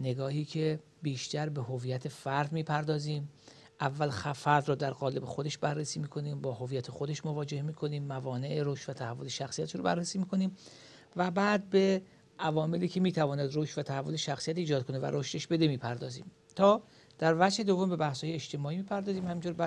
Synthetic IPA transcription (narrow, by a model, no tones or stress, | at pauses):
ne̞ɡɒːhiːcʰe̞ | biːʃt̪æɾbe̞ɦo̞viːjæt̪ʰe̞fæɾd̪miːpʰæɾd̪ɒːziːm | ʔævːælxfæɾd̪rɔːd̪æɾɣɒːle̞bexod̪e̞ʃbærːesiːmiːkʰo̞niːmbɒːho̞viːjæt̪ʰexod̪e̞ʃmo̞vɒːd͡ʒe̞hmiːkʰo̞niːmːævɒːne̞ʔeɾoʃt̪væt̪ʰæhævːo̞leʃæxsijæt̪eʃɾobæ̰rːesiːmiːkʰo̞niːm | væbæːd̪̚be̞ | ʔævɒːme̞liːcʰe̞miːt̪ʰævɒːnæd̪roːʃt̪væt̪ʰæhævːo̞le̞ʃæxsijæt̪iːd͡ʒɒːd̪̚kʰo̞ne̞væ̰ɾoʃt̪e̞ʃbe̞d̪emiːpʰæɾd̪ɒːzḭːm | t̪ʰɒː | d̪̥æɾvæd͡ʒhe̞d̪o̞vo̞mbe̞bæhsɒːjeet͡ʃt̪e̞mɒːiːmiːpʰæɾd̪ɒːziːmhæmiːnt̪ʰoːɾb